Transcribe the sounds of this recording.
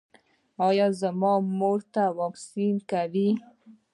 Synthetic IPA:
ɑjɑzəmɑmoɾt̪awɑksinkawi

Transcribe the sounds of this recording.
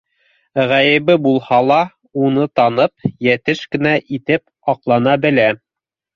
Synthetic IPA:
ʁæjɘ̆βɘbulˠhɑlˠɑ | unɤt̪ɑnɤp̚jæt̪ɘʃkɘ̆næʔit̪ɘp | ɑqlˠɑnɑbɘ̆læ

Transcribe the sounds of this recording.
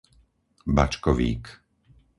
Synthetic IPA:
bat͡ʃkɔʋḭːk

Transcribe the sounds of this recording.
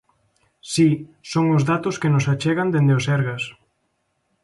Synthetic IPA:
sisoŋʊzðat̪ʊskenʊsat͡ʃɛɣand̪end̪eʊsɛɾɣɐs

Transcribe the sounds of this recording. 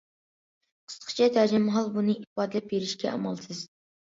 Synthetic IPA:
qʰə̥st̪qʰɨ̥t͡ʃʰɛt̪ʰæd͡ʒɛmɦɑlˠbunɨibɑd̪ɨlɛp̚beɾɪʃkʲɛɑ̰mɑ̰lˠsɨz

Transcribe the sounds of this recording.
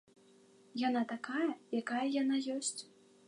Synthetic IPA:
jan̪at̪akajɐjakajɐjanajɔsʲt͡sʲ

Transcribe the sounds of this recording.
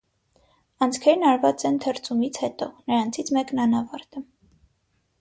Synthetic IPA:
ɑnt͡sʰkʰɛɾnɑɾvɑt͡sɛnt̪ʰəɾt͡sʰumit͡sʰhɛt̪ɔnəɾɑnt͡sʰit͡sʰmɛknɑnɑvɑɾt̪ə

